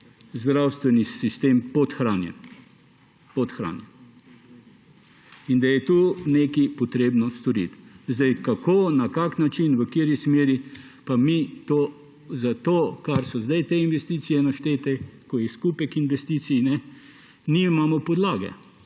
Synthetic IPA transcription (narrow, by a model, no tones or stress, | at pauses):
zd̪ɾawst̪ʋɛnisist̪eːmpɔt̪xɾaːnjɛ̰n | pɔt̪xɾa̰ːnjɛn | ind̪ajɛt̪uːnekipɔt̪ɾeːbnɔst̪ɔɾḭt̪zd̪ajkakonakaknat͡ʃinʋəkiːɾismeːɾi | pamit̪o | zat̪oːkaɾsɔzd̪ajt̪einʋɛst̪iːt̪sijɛnaʃt̪eːt̪ɛkɔjɛskupɛkinʋɛst̪iːt̪sijnɛ | niimamɔpɔd̪laːɡɛ̰